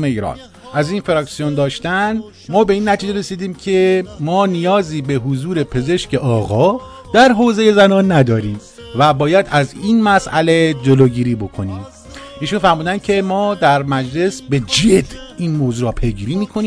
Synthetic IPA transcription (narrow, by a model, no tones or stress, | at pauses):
me̞iːɾɒ̰ːn | ʔæziːnfeɾɒːksijond̪ɒːʃt̪æn | mɒːbe̞iːnːæt̪ʰiːd͡ʒeɾe̞siːd̪iːmcʰe̞mɒːnijɒːziːbe̞ɦozuːɾe̞pʰe̞ze̞ʃcʰe̞ʔɒːɣɒː | d̪̥æɾɦoːze̞je̞zænɒːnːæd̪ɒːɾiːm | væbɒːjæd̪æziːnmæsʔæ̰le̞d͡ʒeloːɟiːɾiːbo̞kʰo̞niːm | ʔiːʃunfæɾmuːd̪ænd̪̚cʰe̞mɒːd̪æɾmæd͡ʒle̞sbe̞d͡ʒed̪̥iːnmoːzuːɾɒːpʰe̞jɡiːɾiːmiːkʰoniː